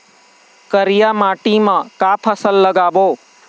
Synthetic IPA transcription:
kəɾɪjaːmaːʈiːmãːkaːpʰəsəlːəɡaːboː

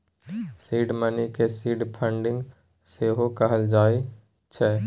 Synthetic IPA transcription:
siːɖmənikesiːɖpʰə̃ɳɖɪ̃ŋɡ | seɦokəɦəld͡ʒaːi | t͡ʃʰɛ

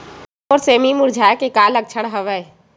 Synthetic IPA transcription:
ɔːɾseːmimʊɾd͡ʒʱaːkekaːlək̚t͡ʃʰəɽ̃ɦəʋə

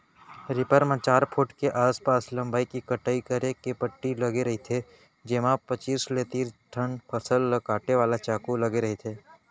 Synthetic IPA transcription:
ɾɪpəɾmãt͡ʃaːɾpʰʊʈkeʔaːspaːslɐ̃mbaːikikəʈaːikəɾekepəʈːilɐɡeɾɐɦit̪ʰe | d͡ʒemãpət͡ʃiːsleːt̪iːɾʈʰənpʰəsəlːɐkaːʈeʋaːlat͡ʃaːkulɐɡeɾɐɦet̪ʰeː

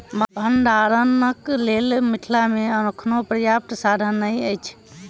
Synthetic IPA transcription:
bbʱənɖaɾənəklelmiʈʰlameənokʰnopɾəjap̚ʈ̪sad̪ʱənːəjəjt͡ʃʰ

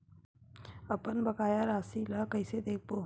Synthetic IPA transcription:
əpənbəkaːjaɾaːsiləkəɪsed̪eːk̚bo

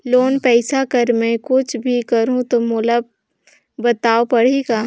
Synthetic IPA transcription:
loːnpɛːsakɐɾmɛ̃kʊt͡ʃʰbʱikɐɾũt̪omʊləb̚ | bɐt̪aːopɐɽ̤eːɡaː

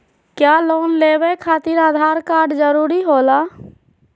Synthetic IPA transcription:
kjaːloːnleːwekʰaːt̪ɪɾaːd̪ʱaːɾkaːɾɖd͡ʒəɾuːɾiɦoːlaː

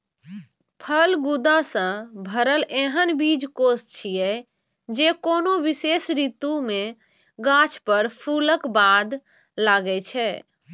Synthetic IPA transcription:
pʰəlɡud̪asə̃bʱəɾəleɦənbid͡ʒkost͡ʃʰijɛ | d͡ʒekonoʋisesɾit̪ume | ɡãt͡ʃʰpəɾpʰuləkbad̪ | laɡɛt͡ʃʰɛ

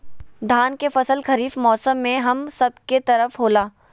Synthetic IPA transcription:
d̪ʱaːnkefɐsəlxɐɾiːfmɔːsəmːẽɦɐmsɐb̚ket̪ɐɾəfɦoːlaː

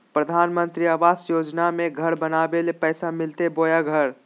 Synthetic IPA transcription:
pɾəd̪ʱaːnmə̃nt̪ɾiaːʋaːsjoːd͡ʒnamẽɡʱɐɾbənaːbelepɛːsamɪlt̪eboːjaɡʱəɾ

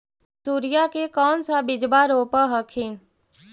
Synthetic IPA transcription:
suːɾɪjakekɔːnsabɪd͡ʒbaɾoːpəɦəkʰɪn

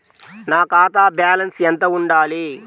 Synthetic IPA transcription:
naːkaːt̪aːbjaːlɐnsɛnt̪ɐuɳɖaːli

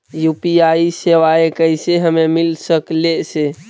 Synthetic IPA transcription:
jupiaiseʋaekəɦseɦəmemilsəklese

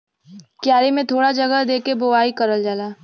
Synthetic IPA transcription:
kjaːɾimẽt̪ʰoːɽad͡ʒɐɡəd̪eːkeboʋaːikɐɾəld͡ʒaːlaː

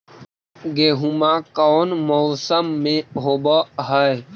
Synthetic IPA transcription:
ɡeːɦumakɔːnmɔːsəmːẽɦobəɦəj

